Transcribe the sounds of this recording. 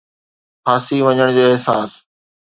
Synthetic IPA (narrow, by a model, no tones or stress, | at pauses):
xaːsiʋɐɲəɽ̃d͡ʑoːeɦsaːs